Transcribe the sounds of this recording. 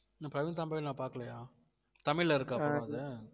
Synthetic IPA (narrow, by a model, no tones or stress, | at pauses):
naːpɾɐʋɪnt̪̬aːmbɐjɪlnaːpaːɾkɐɭɐjaː | t̪ɐmɪɭːɐɪɾɯkːɯɐpːɾaðɯ